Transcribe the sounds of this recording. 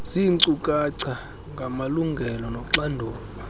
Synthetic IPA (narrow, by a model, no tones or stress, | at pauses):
siǀukʼaǀʰa | ŋɡʱamaluŋɡʱɛlɔnɔǁandʱuːfɔ